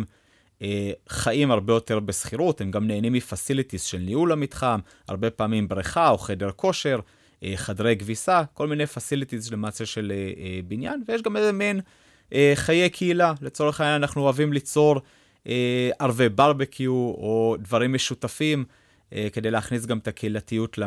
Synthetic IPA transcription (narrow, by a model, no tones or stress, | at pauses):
eχaʔimaʁbe̞jo̞te̞ʁbesχiʁuthemɡamne̞ːnimːifasilitizʃe̞lniulamitχam | a̰ʁbe̞paːmimbʁiχao̞χe̞deʁkʰo̞ʃe̞ʁ | ʔeχadʁe̞jɡvisako̞lminejfasilit̪izlemat͡seʃe̞lebinja̰nvejeʃ̬ɡamezemin | ʔeχaje̞kʰeilalet͡so̞ʁeχajaanaχnuoavimlit͡so̞ʁ | ʔeaʁvebaʁbekʰiuodvaʁimːe̞ʃutafim | ʔeke̞dejleːχnis̬ɡametakʰeilatijutla